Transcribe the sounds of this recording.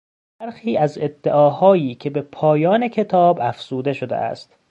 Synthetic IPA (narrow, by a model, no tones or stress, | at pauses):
b̥æɾxiːæze̞d̪̥ːeʔɒːhɒːjiːcʰe̞be̞pʰɒːjɒːne̞kʰe̞t̪ʰɒːbæfz̥uːd̪e̞ʃod̪ḛʔæ̰st̪